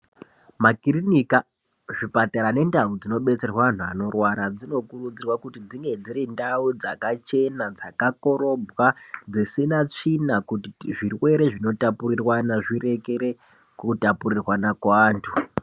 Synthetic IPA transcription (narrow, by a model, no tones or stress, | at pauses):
makirinika | ʐipataɾane̞ndaud͡zino̞ɓe̞t͡se̞rwaʋan̤ua̰no̞rwaɾad͡zino̞kurud͡zirwakutid͡ziŋɡe̞d͡ziɾindaud͡zakat͡ʃe̞nad͡zakako̞ɾo̞bwad͡zisinat͡ʂinakutiʐirwe̞ɾe̞ʐino̞tapurirwanaʐire̞ke̞ɾe̞ | kutapurirwanakwːntʰu